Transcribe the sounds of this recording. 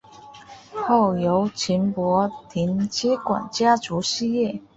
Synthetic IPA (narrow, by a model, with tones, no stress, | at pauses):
xo˥˩ʊjo˧˥ʊt͡ɕʰi˧˥npwɔ˧˥t̪ʰi˧˥nt͡ɕjɛ˥kwa̰˨˩nt͡ɕja˥ʈ͡ʂu˧˥ɕi˥˧jɛ˥˩